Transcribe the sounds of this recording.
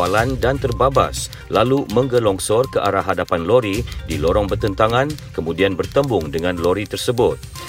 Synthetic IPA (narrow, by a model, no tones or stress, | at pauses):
alandant̪ərbaba̰s | lalumə̃ŋɡəlɔŋsɔrkəʔaɾaɦadapanloɾidilɔɾɔŋbərt̪ənt̪aŋãnkəmũdianbərt̪əmbʊŋdəŋãnlɔɾit̪ərsəbʊt̪̚